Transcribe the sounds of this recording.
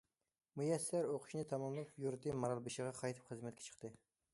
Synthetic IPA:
mujɛsːæɾoqʰʊ̥ʃnɨt̪ʰɑmɑmlˠupjuɾt̪ʰɨmɑɾɑlˠbɨʃəʁɑqʰɑjt̪ʰɨ̥pχəzmɛt̪kʰʲɛ̥t͡ʃʰə̥χt̪ʰɨ

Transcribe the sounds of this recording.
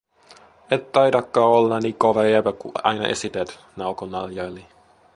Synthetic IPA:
et̪t̪ɑjdɑkːɑːolːɑniːkoʋejepækṵʔɑ̰jnɑ̰ʔḛsit̪et̪ | nɑuwkonːɑljɑjli

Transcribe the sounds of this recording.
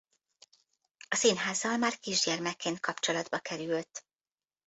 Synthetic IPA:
ɒsinɦaːzːɒlmaːrkiʒɟɛrmɛkːeːnt̪̚kʰɒpt͡ʃolɒd̪bɒkɛɾylt̪ː

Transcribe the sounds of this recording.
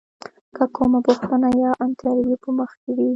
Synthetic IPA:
kakʰomapʊxt̪ənajɑʔant̪jɑɾawipəməxked̪i

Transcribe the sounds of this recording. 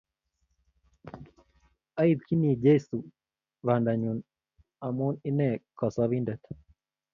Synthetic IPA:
ɐid̪̚kinid͡ʒesu | ʋandaɲun | amuninekɔsaʋindɛt̪

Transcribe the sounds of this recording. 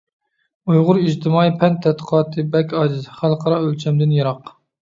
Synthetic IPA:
ujʁʊɾiʒt̪ʰɪmɑːjipʰɛnt̪ʰːɛt̪qʰɑːt̪ʰɨbɛkʲɑːd͡ʒ̪ɨzχælˠqʰɑɾɑølt͡ʃʰɛmd̪ɪnjɑɾɑq

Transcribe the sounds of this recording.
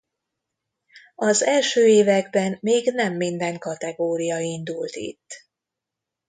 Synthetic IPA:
ɒzɛlʃøːeːvɛɡbɛnːeːɡnɛmːind̪ɛŋkɒt̪ɛɡoːɾijɒind̪ult̪ḭt̪ː

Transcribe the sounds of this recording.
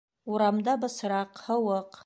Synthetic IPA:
uɾamd̪abɨsɨɾaqhəwəq

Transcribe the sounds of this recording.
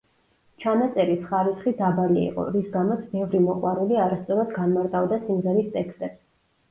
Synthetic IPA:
t͡ʃʰanat̪sʼɛɾisχaɾisχid̪abaliḭqʼɔ̰ɾisɡamɔt̪sʰbɛvɾimɔqʼwaɾuliaɾast̪sʼɔɾad̪ɡanmaɾt̪ʼavd̪asimʁɛɾist̪ʼɛkst̪ʼɛps

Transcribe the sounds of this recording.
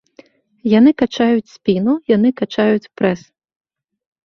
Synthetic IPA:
janɨkat͡ʃajʊt͡sʲsʲpʲinujanɪkat͡ʃajʊt͡sʲpɾɛs

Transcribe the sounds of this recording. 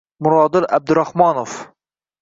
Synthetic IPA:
mʊɾɑːd̪ɨlʔæ̰b̚d̪ɪɾɑhmɑːnof

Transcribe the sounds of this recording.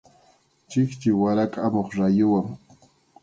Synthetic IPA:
t͡ʃɪkt͡ʃɪwaɾakʼamoχɾajʊwaŋ

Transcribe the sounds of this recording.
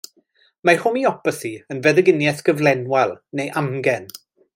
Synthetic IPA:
mahʊmiɔpəsiənvɛðəɡɪnjɛθɡ̥əvlɛnwalˠnejʔamɡɛn

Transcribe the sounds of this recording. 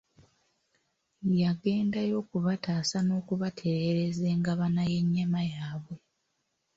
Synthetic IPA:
jaɡe̞ːndajo̞ːkuβataːsano̞ːkuβatʰe̞ɾe̞ɾe̞ze̞ːŋɡaβanaje̞ɲːamajaːβwe̞

